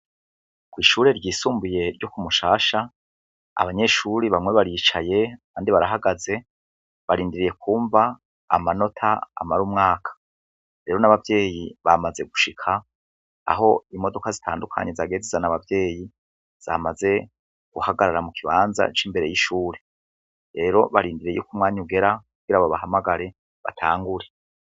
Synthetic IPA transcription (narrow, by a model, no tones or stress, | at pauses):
kwiːʃuːɾe̞ɾɟiːsuːmbuje̞ɾɟokumuʃaːʃa | a̰βaɲe̞ʃuɾiβamŋe̞βaɾit͡ʃaje̞aaːndiβaɾaɦaɡaze̞ | βaɾiːndiɾije̞kuːɱva̰ː | mano̞tʰaa̰maɾumŋaːkʰḁ | ɾe̞ɾo̞naβavje̞ːjiβamaze̞ɡuʃikʰa̰ː | ɦo̞imo̞do̞kazitʰa̰ːndukʰa̰ɲe̞zaɡe̞ːzezanaβavje̞ːji | z̥a̰maze̞ | ɡ̥uhaɡaɾaɾamukʰiβaːnza̰t͡ʃiːmbe̞ɾe̞jiʃuːɾe̞ | ɾe̞ːɾo̞βaɾiːndiɾiejṵkumŋaːɲiuɡe̞ɾakuɡ̥iɾaβoβaɦamaɡaɾe̞ | βa̰tʰaːŋɡuɾe